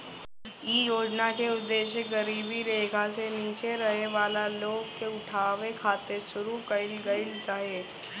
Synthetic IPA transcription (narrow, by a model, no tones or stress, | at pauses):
iːjoːd͡ʒnakeʊd̪ːeːʃəkɡəɾiːbʱiɾeːkʰaseniːt͡ʃeɾɐɦeʋaːlaloːɡ̚keʊʈʰaːʋekʰaːt̪eʃʊɾukɐɪlɡɐɪld͡ʒaːɦeː